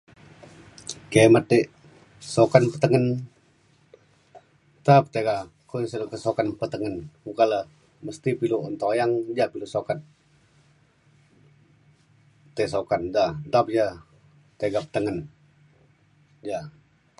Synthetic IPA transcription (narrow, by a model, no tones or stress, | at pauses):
kemat̪ːəʔ | sokanpət̪əŋən | t̪ap̚t̪eɡa | kusəlkəsokanpət̪əŋənukalə | məst̪ipiluənt̪ojaŋd͡ʒapilusokat̪̚ | t̪eʔsokandat̪ap̚d͡ʒa | t̪eɡapə̥t̪əŋən | d͡ʒa